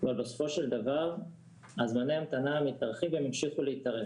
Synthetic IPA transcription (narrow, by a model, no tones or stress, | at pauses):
valbesofo̞ʃeld̪avaʁ | azmaneamt̪anaːmit̪aʁχimvemimʃiχuleit̪aʁe